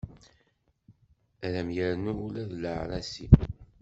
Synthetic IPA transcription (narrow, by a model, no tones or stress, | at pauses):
æðæmjəɾnuːlæðləʕɾasi